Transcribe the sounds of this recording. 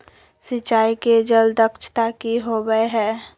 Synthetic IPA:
sɪt͡ʃːaːiked͡ʒəld̪əkʃt̪akiɦoɡəeɦɛ̃ː

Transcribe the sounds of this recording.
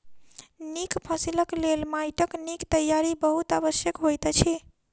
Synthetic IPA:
nikpʰəsiləklelmajʈəknikt̪əjːaɾibəɦut̪abəsjəkɦojt̪t͡ʃʰi

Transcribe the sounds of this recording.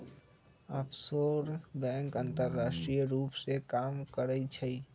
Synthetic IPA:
əpʰsoɾbɛ̃ŋkənt̪əɾːasʈɾijɾupsekamkəɾət͡ʃʰəi

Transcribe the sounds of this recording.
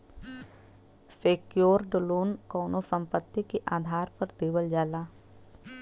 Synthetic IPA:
feːkjoːɾɖoloːnkɔːnosə̃mpət̪ːikeʔaːd̪ʱaːɾpəɾt̪eːʋəld͡ʒaːlaː

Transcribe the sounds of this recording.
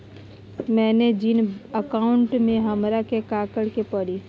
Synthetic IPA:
mɛːned͡ʒɪnəkaːʊɳʈmẽɦɐmɾakekaːkəɽkepəɽi

